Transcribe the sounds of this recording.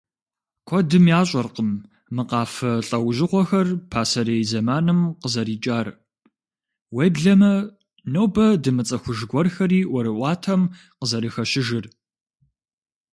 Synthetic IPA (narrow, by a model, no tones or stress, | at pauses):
kʷʰɔdɨmjaːɕʼɐrqəmː | ɨqɑːfɐɬʼɐwʑɪʁʷɔxɐrpʰaːsɐɾeːjzɐmaːnɨmqəzɐɾiːt͡ʃʼaːr | weːjbɮɐmɐ | nowbɐdɨmɨt͡sʼɐxʷʊʒɡʷɔrxɐɾiːwɔɾɨʔʷɑːtʰɐm | qəzɐɾixɐʃɪʒɪr